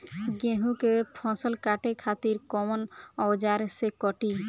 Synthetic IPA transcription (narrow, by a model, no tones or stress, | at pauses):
ɡẽɦũkepʰɔ̃səlkaʈekʰat̪iɾkɔmənɔwd͡ʒaɾsekɔʈi